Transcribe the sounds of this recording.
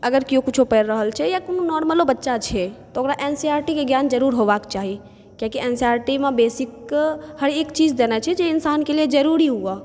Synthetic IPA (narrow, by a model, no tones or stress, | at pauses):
əɡəɾkijõkut͡ʃʰopəɾɾəɦəlt͡ʃʰɛjakononɔɾməlobətːʃat͡ʃʰɛt̪ɔokɾaʔensiaɾʈikeɡjand͡ʒəɾuɾɦoʋakt͡ʃaɦi | kjakiɛnsiaɾʈimẽbesikhəɾekt͡ʃid͡ʒd̪enat͡ʃʰɛd͡ʒeɪnsaːnkelied͡ʒəɾuɾiɦua